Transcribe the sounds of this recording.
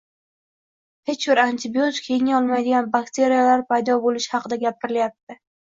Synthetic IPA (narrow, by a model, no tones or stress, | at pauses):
he̞t͡ʃbɪɾant̪ʰɪbijo̞t̪kʲʰe̞jɪŋɒlˠmajd̪ɪɡʲanbakt̪ʰe̞ɾijalaɾpʰajd̪ɒbolɪʃhɑqʰɨd̪aɡʲapɪɾɪljap̚t̪ɪ